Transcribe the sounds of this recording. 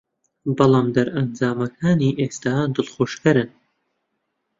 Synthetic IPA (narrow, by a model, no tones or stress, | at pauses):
bɑlˠɑːmd̪ɐɾɐnd͡zaːmɐkʰaːniːʔeːst̪aːd̪ɨlχoːʃkɐɾɨn